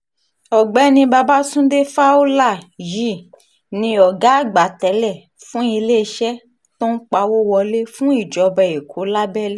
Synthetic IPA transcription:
ɔ˨ɡ͡bɛ˨˦nĩ˧ba˧ba˦sũ˦de˦fa˦o˦la˦˨ji˦˨ | nĩ˧ɔ˨ɡa˨˦ɡ͡ba˨˦˨tɛ˨˦lɛ˦˨ | fũ˦i˧le˦˧ʃɛ˦ | tõ˦n̩˦k͡pa˧wo˦wɔ˧le˦fũ˦i˦˨d͡ʒɔ˨˦bɛ˧e˨kʰo˨˦la˦bɛ˦le˦

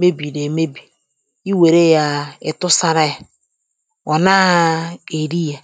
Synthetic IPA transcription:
me˦bi˨ɾe˨me˦bi˨ | i˦we˨ɾe˦ja˦ɪ˨tʊ˦sa˦ɾa˦ja˨ | o˨na˦e˨ɾi˦ja˨

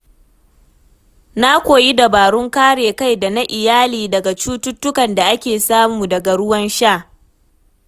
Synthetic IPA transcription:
na˦kʷoː˨ji˦da˨baː˨ɽʊ˦ŋkaː˦ɽeː˨ka˦jda˨na˦ʔɪ˨jaː˦liː˨dɐ˨ɡa˨t͡ʃuː˦tʊ˦tːʊ˦kɐ˨nda˨ʔa˦kʲeː˨saː˦muː˨dɐ˨ɡa˨ɽʊ˦wɐ˦nʃaː˦˨ʔ

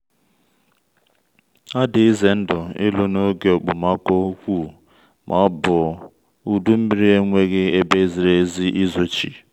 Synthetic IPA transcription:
a˦dɪ˨i˦ze˨n̩˦dɔ˨ɪ˦lo˦no˦ɡe˨o˨k͡pʊ˨ma˦ko˦kʷu˦˨ | mʔa˨˦bʊ˨ | u˦du˦m̩˦bi˦ɾi˦e˦ŋʷe˦ɣe˦e˦be˦zi˨ɾe˦zi˦ʔi˦zo˦t͡ʃḭ˨

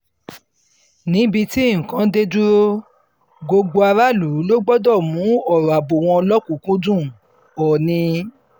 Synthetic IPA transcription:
nĩ˨˦bi˧ti˦ẽ˦˨kã˨˦de˦du˦ɾo˦ | ɡo˧ɡ͡bo˧a˧ɾa˦lu˨˦lo˦ɡ͡bɔ˦dɔ˦˨mũ˨˦ɔ˦˨ɾa˨bo˨w̃ɔ̃˧ɔ˧lɔ˦kũ˨˦kũ˦dũ˦˨ | ɔ˨nĩ˧

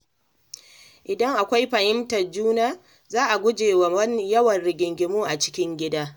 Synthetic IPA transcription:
ʔɪ˨dɐ˦ŋʔa˨kʷa˦jɸɐ˨hɪ˦mtɐ˨rd͡ʒuː˦naː˦ | zaː˦ʔa˨ɡʷʊ˦d͡ʒeː˨wa˨wɐ˦n˦jɐ˦wɐ˨nɽɪ˨ɡʲɪ˨ŋɡʲɪ˨muː˦ʔa˨t͡ʃɪ̥˦kʲɪ˦ŋɡʲɪ˦daː˦

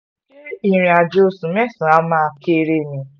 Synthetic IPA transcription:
i˦i˨ɾ̃ĩ˨a˨d͡ʒo˦sũ˨mɛ˦sĩ˨a˦mã˦˨ke˦˨ɾe˦nĩ˨

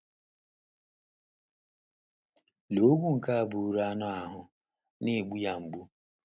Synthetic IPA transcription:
lo˦ɡʷu˦ŋ̩˨ka˦a˦˨bu˨ɾa˦nɔ˦a˨ɦʊ˦ | ne˦˨ɡ͡bu˦ja˨ŋ͡m̩˨ɡ͡bu˦

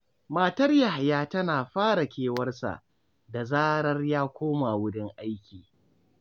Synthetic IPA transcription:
maː˨tɐ˦rja˨ha˨jaː˦tɐ˦naː˨ɸaː˦ɽa˨kʲeː˨wɐ˦rsa̰˨ʔ | da˨zaː˦ɾɐ˦rjaː˦kʷoː˦ma˨wʊ˦dɪ˦ŋʔa˦jkʲiː˨

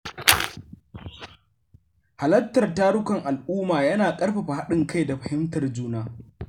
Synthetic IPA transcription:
ha˨lɐ˦tːɐ˨rtaː˦ɽʊ˦kɐ˨ŋʔa˨lʔuː˦maː˨jɐ˦naː˨kʼɐ˦rɸa˨ɸa˨ɦa˦ɗɪ˨ŋka˦jda˨ɸɐ˨hɪ˦mtɐ˨rd͡ʒuː˦naː˦

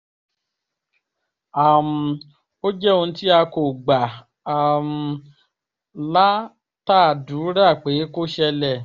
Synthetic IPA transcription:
a˨m̩˨˧ | o˦d͡ʒɛ˦o˧n̩˦ti˦a˧ko˨ɡ͡ba˨ | a˨m̩˧ | la˦ | ta˦˨du˨˦ɾa˦˨k͡pe˨˦ko˦ʃɛ˧lɛ˦˨

